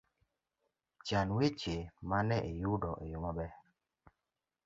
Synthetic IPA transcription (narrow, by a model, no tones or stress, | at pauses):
t͡ʃanwet͡ʃemanɛʔejudɔʔejomabɛ